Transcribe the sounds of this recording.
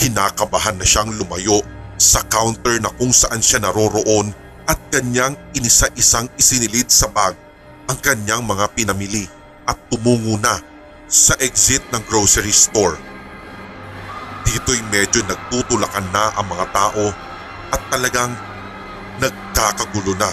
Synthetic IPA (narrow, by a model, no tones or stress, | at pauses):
hɪnaːkɐbɐɦanːɐʃaŋlʊmɐjo̞ʔsɐkawnt̪ɛɹnɐkʊŋsɐʔanʃanɐɾo̞ɾo̞ʔo̞n | ʔɐt̪̚kɐɲjaŋʔɪnɪsaʔɪsaŋɪsɪnɪlid̪̚sɐbaɡ̚ | ʔɐŋkɐɲjaŋmɐŋapɪnɐmɪli | ʔɐt̪ːʊmuːŋunɐ | sɐʔɛksɪt̪̚nɐŋɡɹowsɛɹist̪oɹ | d̪̥iːt̪o̞jmɛd͡ʒo̞nɐɡ̚t̪ut̪ʊlɐkanːɐʔɐŋmɐŋat̪aːʔo̞ | ʔɐt̪ːɐlɐɡaŋ | nɐɡ̚kaːkɐɡʊlonɐ